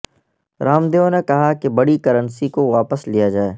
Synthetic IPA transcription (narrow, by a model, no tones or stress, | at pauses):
ɾaːmd̪eːõnekɐɦakebɐɽikɐɾə̃nsikoʋaːpəslijad͡ʒaːeː